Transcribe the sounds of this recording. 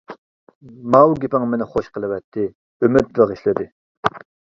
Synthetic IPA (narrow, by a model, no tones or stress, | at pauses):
mɑwɡʲepɪŋmenɪχoʃqəlˠɨwɛt̪ʰːɪ | ømyt̪̚veʁəʃlɪd̪ɪ